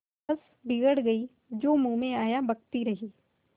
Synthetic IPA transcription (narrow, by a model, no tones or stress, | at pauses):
ɐs | bɪɡəɽɡɐi | d͡ʒoːmũːmẽaːjabɐɡt̪iɾɐɦiː